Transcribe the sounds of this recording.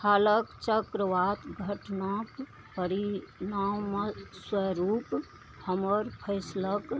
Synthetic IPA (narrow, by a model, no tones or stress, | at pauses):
haləkt͡ʃəkɾəʋat̪ɡʱəʈnək | pəɾinawmeswəɾup | həməɾpʰəɪslək